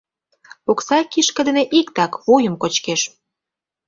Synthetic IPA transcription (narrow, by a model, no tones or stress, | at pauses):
oksɑkiʃkə̆d̪ĕneʔikt̪ɑkβojə̆mkot͡ɕkeʃ